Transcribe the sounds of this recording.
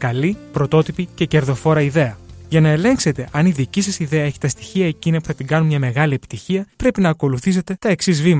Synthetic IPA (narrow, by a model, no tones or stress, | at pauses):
kɐlipɾo̞t̪o̞t̪ipice̞ce̞ɾðo̞fo̞ɾɐiðe̞ɐʝɐnɐe̞le̞ŋkse̞t̪e̞ʔɐniðicisɐsiðeɐe̞çi̥t̪ɐst̪i̥çiɐe̞cinɐpu̥θɐt̪iɡɐnunmɲɐme̞ɣɐliepi̥t̪içiɐpɾe̞pinɐːko̞luθis̬e̞t̪e̞t̪ɐe̞ksizvimɐ